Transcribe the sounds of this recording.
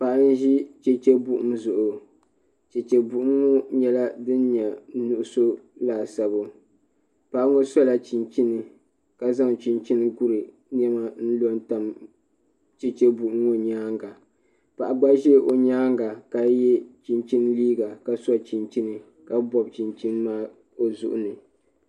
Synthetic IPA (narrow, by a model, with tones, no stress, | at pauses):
pa˨ʔa˦n̩˦ʒi˦t͡ʃɛ˦t͡ʃɛ˦bu˦ʔʊ˦mzʊ˨ʔʊ˨ | t͡ʃɛ˨t͡ʃɛ˨bu˨ʔʊ˦ŋo˦ɲɛ˦la˦dɨ˦nɲɛ˨nu˨ʔʊ˨so˦laː˨sa˨bo˨ | pa˨ʔŋo˦sɔ˦la˨t͡ʃi˨nt͡ʃi˦nɨ˨ | ka˨za˦ŋ˨t͡ʃi˨nt͡ʃi˦n˦ɡu˦ɾɨ˨ | n˦ɛ˦ma˦n̩˦lo˦nta˨m | t͡ʃɛ˨t͡ʃɛ˦bu˨ʔʊ˦ŋːo˦ɲaː˦ŋɡa˨ | pa˨ʔa˨ɡ͡ba˦ʒɛ˦ʔo˨ɲaː˦ŋɡa˨ka˨jɛ˦t͡ʃi˨nt͡ʃi˦n˦liː˦ɡa˨ka˨sɔ˦t͡ʃi˨nt͡ʃi˦nɨ˨ | ka˨bɔ˨bt͡ʃi˨nt͡ʃi˦nmaː˦ | o˦zʊ̰˨ʔʊ˦nɨ˨